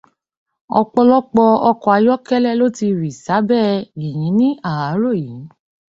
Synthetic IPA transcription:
ɔ̰˧k͡pɔ˧lɔ˦k͡pɔ˧ɔ˧kɔ˧a˧jɔ˦kɛ˦lɛ˦˨lo˦ti˧ɾi˨sa˨˦bɛː˦i˨j̃ĩ˨˦nĩ˦ʔa˦˨a˨˦ɾo˦˨ji˨˦

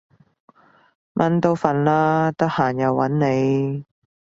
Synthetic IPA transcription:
mʔɐ˨˥nt̪o˥wfɐ˨nlaː˥t̪ɐ˥k̚haː˨˩njɐ˨˧wːɐ˨˥nne˨˧j

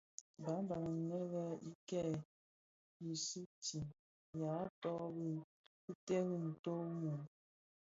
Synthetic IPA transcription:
ba˨˦ba˨ŋə˨ŋ˨ŋɛ˦lɛ˦ḭ˦kɛ˦˨ | i˨su˦ti˨ | ja˨˦tɔ˦bi˦ | i˦te˦ɣi˦n̩˨to˦mu˨

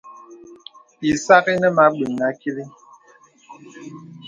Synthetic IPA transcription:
i˨sa˦ɣi˦nə˦ma˦ɓi˨ŋ˨na˦ki˦li˦

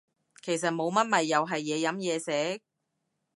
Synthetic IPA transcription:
kʰe˨˩js̬ɐ˨t̚mo˨˧wmɐ˥t̚mɐ˨jːɐ˨wɦɐ˨jːɛː˨˧jɐ˨˥mjɛː˨˧sɛː˨˥

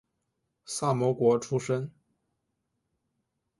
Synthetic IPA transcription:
sa˥˩mwɔ˧˥kwɔ˧˥ʈ͡ʂʰu˥ʂə˥ŋ

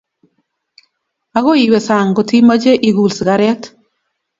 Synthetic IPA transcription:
a˦ɣo˦i˨we˨sa˨ŋɡɔ˨ti˦ma˦d͡ʒe˦ʔi˨ɡu˨lsɡa˨ɾɛ˦t

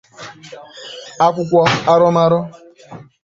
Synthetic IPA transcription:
a˦kʷʊ˦kʷɔ˦a˦ɾɔ˦ma˦ɾɔ˦

